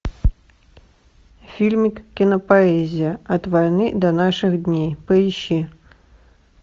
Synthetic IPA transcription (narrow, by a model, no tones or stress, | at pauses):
fʲilʲmʲikʲːinɐpaɛzʲijɐɐt̪vajnɨd̪ɐnaʂɨɣd̪ʲnʲejpɐiɕi